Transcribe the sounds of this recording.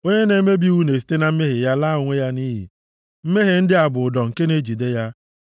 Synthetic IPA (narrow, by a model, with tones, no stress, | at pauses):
o˦ɲe˦ne˨˦me˦bi˦wu˦ne˨s̬i̥˨˦te˦na˨m̩˦me˦ɦe˨ja˦la˦ʊ˨ŋʷe˦ja˦ni˦ɦḭ˨ | m̩˦me˦ɦe˨n̩˦dɪ˦a˨bʊ˨dɔ˨ŋ̩˨ke˦ne˦d͡ʒi˨de˦ja˦